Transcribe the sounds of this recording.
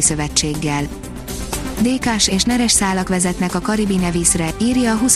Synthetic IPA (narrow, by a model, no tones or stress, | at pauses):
isø̞vɛt͡ʃːeːɡːɛl | d̪eːkaːʃeːʃnɛɾɛʃsaːlɒkʋɛzɛt̪nɛkɒkɒɾibinɛviːsrɛiːrjɒːɦus